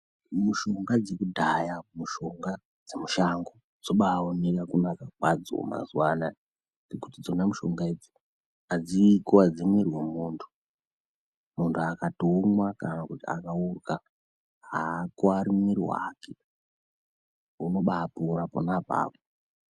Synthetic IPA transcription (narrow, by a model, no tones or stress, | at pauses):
muʃo̞ŋɡad͡zekudʱajamuʃo̞ŋɡa | d͡zemuʃaŋɡo | d͡zo̞ɓaonekakunakakwa̰d͡zo̰ma̰zwana | d͡zekutid͡zonamuʃo̞ŋɡaed͡zi | ad͡zikoad͡zimirwemuːntʰu̥ | muntʰuakatoŋwakanakutia̰kaurka | ɦakoaɾimirwa̰ːke | uno̞ɓapoɾapo̰napa̰ːpo